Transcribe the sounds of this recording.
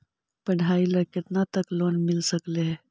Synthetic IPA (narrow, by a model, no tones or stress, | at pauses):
pəɳɦailəket̪nat̪əklonmilsəkleɦe